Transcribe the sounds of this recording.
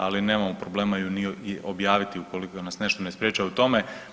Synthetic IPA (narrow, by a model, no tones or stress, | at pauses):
aline̞ːmamopɾo̞ble̞ːmainiiʔo̞bjaːʋit̪iuko̞likonasne̞ʃt̪onespɾjeːt͡ʃuaut̪o̞me